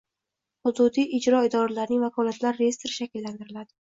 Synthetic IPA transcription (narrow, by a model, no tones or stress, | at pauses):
hʊd̪ud̪iɪd͡ʒɾɒɪd̪ɒɾalaɾnɪŋvakʰɒlat̪laɾːejest̪eɾɪʃakʲɪlːant̪ʰɪɾɪlad̪ɪ